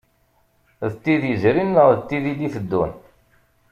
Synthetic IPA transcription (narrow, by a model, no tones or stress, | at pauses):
ðət̪ːiðjəzɾinːəʁðət̪ːiðiliθəd̪ːun